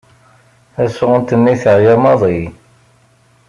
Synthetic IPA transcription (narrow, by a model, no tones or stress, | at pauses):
æsʊʁənt̪ənːiθəʕjæmɑðˤi